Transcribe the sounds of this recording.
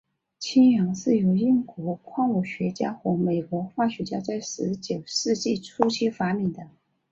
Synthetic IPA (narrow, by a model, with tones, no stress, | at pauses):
t͡ɕʰi˥ŋjɑ˧˥ŋʂɻ̩˥˩jo˧˥ʊi˥˩ŋkwɔ˧˥kʰwɑ˥˧ŋwu˨˩ɕɥɛ˧˥t͡ɕja˥xwɔ˧˥me˨˩ɪkwɔ˧˥xwa˥˩ɕɥɛ˧˥t͡ɕja˥t͡sa˥˩ɪʂɻ̩˧˥t͡ɕjo˨˩ʊʂɻ̩˥˧t͡ɕi˥˩ʈ͡ʂʰu˥t͡ɕʰi˥fa˧˥mi˨˩ŋd̪ə˦